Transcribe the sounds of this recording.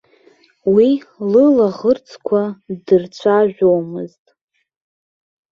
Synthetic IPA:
wilɨlaʁərt͡sʰkʷʰadɨrt͡ɕʷʰaʒʷᶣowmɨ̰ztʼ

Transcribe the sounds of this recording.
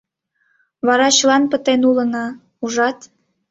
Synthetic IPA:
βɑɾɑt͡ɕəlɑnpə̆t̪enulə̆nɑ | uʒɑt̪

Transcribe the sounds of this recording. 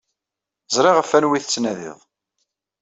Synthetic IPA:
zˤɾˤɪʁəfænwiθət͡sːnæðɪ̰ðˤ

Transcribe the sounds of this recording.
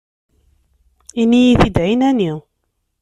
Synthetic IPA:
inijiθid̪ʕinæni

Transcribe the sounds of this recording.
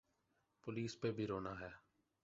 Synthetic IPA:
pʊliːspeːbʱiːɾoːnaːɦɛː

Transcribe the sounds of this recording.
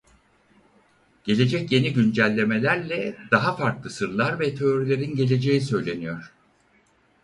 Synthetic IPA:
ɟ̥e̞lʲe̞d͡ʒɛcje̞niɟynd͡ʒælʲːe̞me̞lʲæɾlʲɛd̪̥aɦafaɾklˠɯsɯɾlˠaɾvɛt̪ʰe̞oɾilʲe̞ɾinɟe̞lʲe̞d͡ʒe̞jisø̞jlʲe̞nyjo̞ɾ̝̥

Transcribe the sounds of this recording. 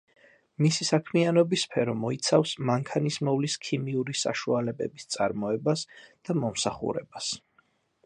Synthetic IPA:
misisakʰmianɔbispʰɛɾɔmɔit̪sʰafsmaŋkʰanismɔvliskʰimiuɾisa̰ʃualɛbɛ̰bist̪sʼa̰ɾmɔɛbasd̪̥amɔmsaχṵɾɛ̰bas

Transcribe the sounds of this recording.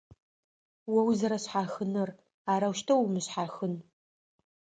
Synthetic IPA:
wɐwzɐɾɐɕħaxɨnɨr | aːɾɐwʃtʰɐwmɨɕħaxɨn

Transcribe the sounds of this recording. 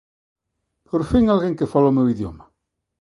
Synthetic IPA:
poɾfiŋalɣeŋkefalaomewiðjo̰ma

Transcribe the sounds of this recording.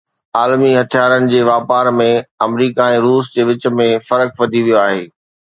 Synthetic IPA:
aːlmiɦɐt̪ʰijaːɾənɪ̆d͡ʑeːʋaːpaːɾmẽɐmɾiːkaɛ̃ːɾuːsd͡ʑeːʋɪt͡ɕə̆mẽfɐɾəkʋɐd̪ʱiʋijoaːɦeː

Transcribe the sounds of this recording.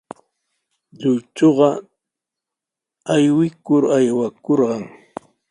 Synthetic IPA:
ʎʊjt͡ʃoɢɑ | ajwɪkʊɾajwakoɾɢɑŋ

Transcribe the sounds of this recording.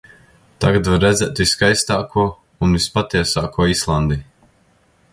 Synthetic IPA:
t̪aɡat̪vaɾːɛd̪zʲɛːt̪viskajst̪aːkʰuɔ | unvispat̪iɛsaːkuɔislˠand̪i

